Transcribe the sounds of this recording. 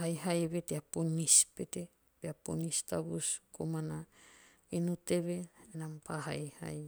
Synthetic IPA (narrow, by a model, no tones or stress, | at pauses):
ɦajɦajβeteaponispete | beapo̰nistabuskʰomana | inuteβenampʰaɦa̰jha̰j